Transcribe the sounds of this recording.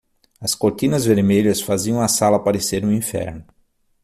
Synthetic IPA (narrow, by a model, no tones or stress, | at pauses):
ɐskoɾt̪ĩnɐzveɾmeʎɐsfaziɐ̃w̃ɐsalɐapaɾeseɾnʊ̃ĩfɛ̰ɾnʊ